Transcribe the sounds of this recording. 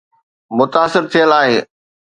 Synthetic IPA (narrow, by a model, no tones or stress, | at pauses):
mʊt̪aːsɪɾt̪ʰijəlaːɦe